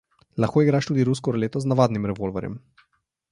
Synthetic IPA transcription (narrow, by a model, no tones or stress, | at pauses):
laxkoːiɡɾaːʃt̪uːd̪iɾus̬kɔɾleːt̪ɔznaʋaːd̪nimɾɛvolvɛ̰ɾjɛ̰m